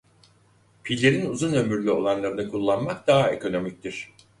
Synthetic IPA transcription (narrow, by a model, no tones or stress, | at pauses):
pʰilʲːe̞ɾinuzunø̞myɾlʲyo̞lˠanlˠaɾɯnakʰulˠːanmak̚d̪aɦae̞̰kʰo̞no̞mic̚t̪ʰiɾ̥